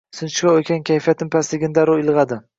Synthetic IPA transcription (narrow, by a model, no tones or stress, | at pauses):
sɪnt͡ʃkʲaokʲʰankʲʰajfijat̪ɪmpʰast̪ɪɡʲɪnd̪aɾʊɪlˠʁɑd̪ɪ